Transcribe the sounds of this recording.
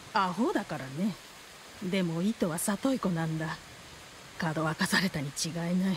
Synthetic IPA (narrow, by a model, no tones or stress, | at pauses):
aɦoːd̪akaɾane̞ | d̪e̞mo̞it̪o̞βasat̪o̞iko̞nãnd̪a | kaːd̪o̞βakasaɾe̞t̪aɲ̟it͡ɕiɡaenai